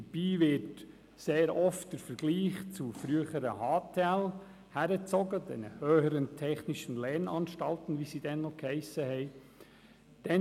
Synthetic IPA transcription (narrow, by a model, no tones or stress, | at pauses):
dəb̥iːʋɪt | seːɾɔftd̥əɾfəɾɡ̥liːχt͡sufɾyəχəɾəhɑːtʰɛl | hæɾət͡sɔɡəd̥ɛ̰nə̰høːhəɾəntʰɛχnɪʃənlɛɾnɑnʃtɑltn̩ʋisid̥ɛnːɔkhɛɪsəhɛɪ | d̥ɛ